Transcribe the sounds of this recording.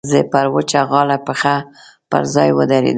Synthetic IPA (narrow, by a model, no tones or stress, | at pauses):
zepaɾwət͡ʃaɣɑlapəxa | pə̰ɾzɑjwə̰d̪aɾḛd̪